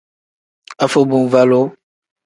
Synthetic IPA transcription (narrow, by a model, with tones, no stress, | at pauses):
a˨fo˨bũ˨n˨va˦lo˦